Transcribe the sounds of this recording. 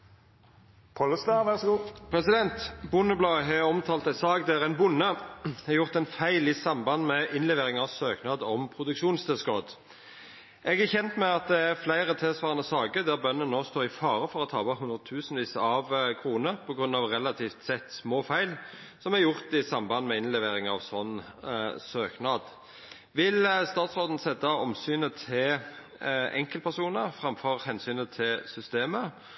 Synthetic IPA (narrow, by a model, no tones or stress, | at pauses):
pʰɔləst̪ɑʋæʁsɔɡuːpʰɾɛsɪd̪ɛnt̪bʊnəblɑːəɦɛɔmt̪ʰɑːlt̪æɪsɑːɡd̪æʁɛnbʊnːəɛjʊʁt̪ɛɪnfæɪlɪsɑmbɑnd̪mɛʔɪnlɛʋeːʁɪŋɑʋsøːknɑːd̪ɔmpʰʁʊd̪ʉkʃuːnst̪ɛskoːd̪ | ʔɛɡæçɛnt̪mɛɑt̪̚d̪ɛæʁflæɪʁət̪ʰɪlsʋɑːʁənəsɑːɡəd̪æʁbœnːənnːoːst̪oːʁɪfɑːʁəfɔʁɔt̪ʰɑ̰ːbɑɦʉnd̪ʁət̪ʰʉːsnʋiːsəɑʋkʰʁuːnəpʰɔɡʁʉnːɑʋʁɛlɑt̪ʰiːft̪sɛt̪ːsmoːfæɪl | sɔmæɾjʊʁt̪ɪsɑmbɑnmɛɪnlɛʋeːʁɪŋɑʋsɔnː | søːknɑːd̪ | ʋɪlst̪ɑːt̪sʁoːd̪n̩sɛt̪ːɑɔmsyːnət̪ʰɪ | ʔɛ̰ŋkəlpʰæsuːnəʁfʁɑmfɔʁhɛnsyːnət̪ʰɪlsʏst̪eːmə